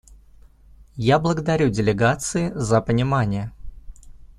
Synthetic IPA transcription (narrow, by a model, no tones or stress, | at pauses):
jablˠəɡəd̪ɐɾʲudʲɪlʲɪɡat̪sɨɪzəpənʲɪmanʲɪjə